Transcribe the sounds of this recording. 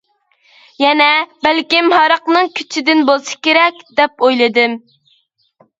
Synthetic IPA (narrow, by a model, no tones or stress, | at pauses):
jɛnɛbælkʲimhɑɾɑqnɨŋkʲʰy̥t͡ʃʰid̪ɪnbolˠsɨ̥kʲeɾɛkʲd̪̥ɛpojlˠɨd̪ɨm